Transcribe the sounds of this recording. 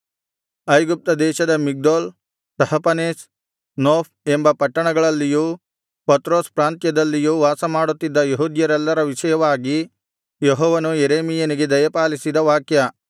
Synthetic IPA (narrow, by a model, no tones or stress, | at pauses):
ɐjɡup̚t̪ɐd̪ɛːʃɐd̪ɐmiɡ̚d̪oːl | sɐhɐpɐneːs | noːp | embɐpɐʈːɐɳɐɡɐɭɐlːiju | pɐt̪ɾo̞ːspɾaːnt̪jɐd̪ɐlːijuʋaːsɐmaːɽut̪ːid̪ːɐjeɦud̪jɐɾɛlːɐɾɐʋiʃɐjɐʋaːɡi | jeɦɔːʋɐnujeɾeːmijɐniɡe̞d̪ɐjɐpaːlisid̪ɐʋaːkjɐ